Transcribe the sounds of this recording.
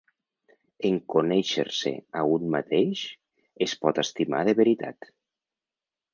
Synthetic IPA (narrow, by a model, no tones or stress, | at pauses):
eŋkonɛʃḛɾsḛaunmat̪eʃ | espɔt̪est̪ima̰ðeβeɾit̪a̰t̪